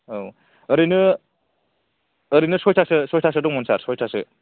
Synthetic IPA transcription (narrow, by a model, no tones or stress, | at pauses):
ow | ɐɾinɯ | ɾinɯsɔjtʰasɯsɔjtʰas̬ɯdɔŋmɔnsaɾsɔjtʰasɯ